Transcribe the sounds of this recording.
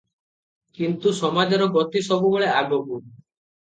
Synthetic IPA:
kint̪usɔmad͡ʒɔɾɔɡɔt̪isɔbuboɭeaɡɔbu

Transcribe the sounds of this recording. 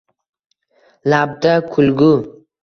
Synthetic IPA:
lab̚d̪akʰʊlɡʊ

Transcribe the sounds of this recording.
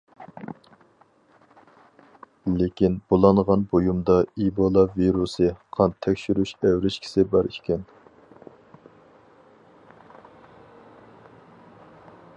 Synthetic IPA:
lekʲinbolˠɑnʁɑnbojumd̪ɑibolˠɑviɾusɨqʰɑnt̪ʰːɛkʲʃyɾyʃæwɾɪʃkʲʰi̥sɪbɑɾikʲʰɛn

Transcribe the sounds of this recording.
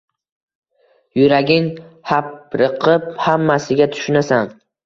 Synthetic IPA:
jʊɾaɡʲɪŋhapɾɨqʰɨphamːasɪɡʲat̪ʰʊ̥ʃʊnasan

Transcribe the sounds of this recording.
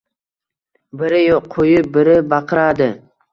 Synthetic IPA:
bɪɾɪjoqʰːojɪbɪɾɪbɑqʰɨɾad̪ɪ

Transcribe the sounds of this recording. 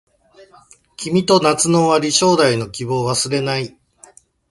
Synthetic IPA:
kʲimʲit̪o̞nat͡sɨno̞βaɾʲiɕo̞ːd̪aino̞kʲibo̞ːβasɨɾe̞nai

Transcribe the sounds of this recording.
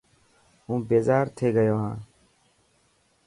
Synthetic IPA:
ɦũːbeːzaːɾt̪ʰeːɡəjoːɦãː

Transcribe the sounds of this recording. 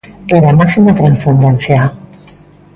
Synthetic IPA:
eɾamaksimat̪ɾansend̪ɛnθja

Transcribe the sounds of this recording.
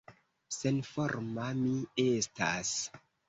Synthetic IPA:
senfoɾmamiestas

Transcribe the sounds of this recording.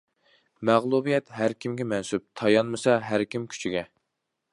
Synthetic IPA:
mæʁlˠubijɛt̪ɦæɾkʲimɡʲɛmɛnsyp̚t̪ʰɑjɑnmɨsɑɦæɾkʲimkʲʰy̥t͡ʃʰiɡʲɛ

